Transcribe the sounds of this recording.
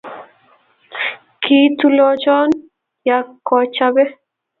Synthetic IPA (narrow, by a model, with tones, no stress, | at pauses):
ki˦tu˦lɔ˦t͡ʃɔ˦n | ja˨kːɔ˨t͡ʃa˦bɛ˦